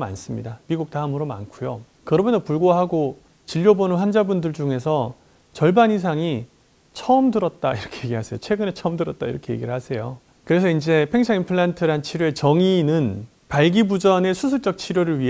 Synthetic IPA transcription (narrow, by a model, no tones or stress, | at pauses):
ma̰ns͈ɯmɲidamiɡuk̚t͈amɯɾoma̰nkʰujo | kɯɾʌmjʌnsʌpuɭɡoɦaɡo | t͡ɕiʎːobonɯnɸwand͡ʑabundɯɭd͡ʑuŋe̞sʰʌ | t͡ɕʌɭbaɲis̬ʰaŋi | t͡ɕʰʌɯmdɯɾʌt̚t͈aiɾʌkʰeje̞ɡiɦasʰe̞jot͡ɕʰwe̞ɡɯne̞t͡ɕʰʌmdɯɾʌt̚t͈aḭɾʌkʰe̞je̞ɡiɾɯɭhasʰe̞jo | kɯɾe̞sʰʌind͡ʑe̞pʰe̞ŋsʰaŋimpʰɯɭːantʰɯɾant͡ɕʰiɾjoe̞t͡ɕʌŋinɯn | paɭɡibud͡ʑʌne̞sʰus̬ʰut͡ɕ͈ʌk̚t͡ɕʰiɾjoɾɯɭɥi